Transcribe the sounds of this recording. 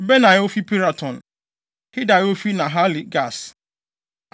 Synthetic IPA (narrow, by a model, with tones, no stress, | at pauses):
bɛ˦nã˨jɛ˦o˦fi˦pi˦ɾa˨tʰɔ̃˨n | hɪ˦da˨jɛ˦o˦fi˦nã˨ɦa˦li˨ɡa˦˨s